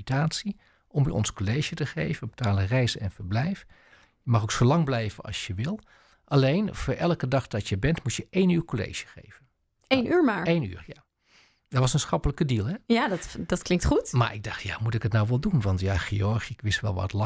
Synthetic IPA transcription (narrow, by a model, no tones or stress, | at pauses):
itaːtsi | ʔɔmjə̰ʔɔ̰nskolejʒətəχḛjvənbətaːlˠərɛjsɛ̰nfəɹblɛjf | jəmɑχoksolɑŋblɛjvənɑ̰lˠsjəʋɪlˠ | ʔɑlejnv̥ʊːɹʔɛlkədɑχdɑtjəbɛntmutjəʔejnyːɹkolḛjʒə̥χḛjv̥ən | ejnyːɹmaːɹejny̰ːɹja | dɔtʋɑsənsχɑpələkədilˠɦɛjadtdɑtklɪŋktχutma̰ːɹʔɪɡ̚dɑχtja̰ːmutɪkətnawʋɛlˠdunʋɑntjaːχeɔɹχiɪkʋɪstʋɛ̰lˠʋɑ̰tlɑ